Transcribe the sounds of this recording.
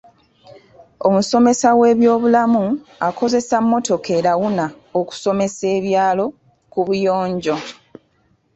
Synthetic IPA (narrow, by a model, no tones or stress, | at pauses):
o̞muso̞me̞sawe̞ːβjo̞ːβulamuakʰo̞ze̞samːo̞to̞ke̞ːɾaɣuna | oku̥so̞me̞se̞ːβjaːlo̞ | kuβujo̞ːɲɟo̞